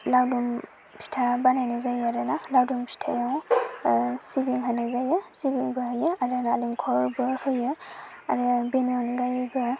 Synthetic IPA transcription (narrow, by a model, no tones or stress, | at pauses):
lawdum | pʰi̥tʰabanajnazajaɾɯnalawdumpʰi̥tʰajaw | sibiŋɦanazajɯsibiŋbɯɦɯjɯaɾɯnaːlimkʰɔɾbɯhɯjɯ | a̰ɾɯbeneɔnɡajbɯ